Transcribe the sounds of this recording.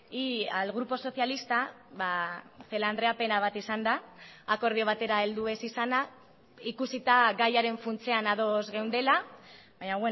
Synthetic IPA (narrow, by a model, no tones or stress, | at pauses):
ialɣɾupo̞so̞θjalist̪a | βaθe̞land̪ɾe̞ape̞naβ̞at̪isand̪aːko̞ɾð̞io̞β̞at̪e̞ɾaeld̪ue̞sisana | ikusit̪aɡajaɾe̞ɱfunt͡se̞anaðo̞zɣe̞wnd̪e̞laβaɲaɣwe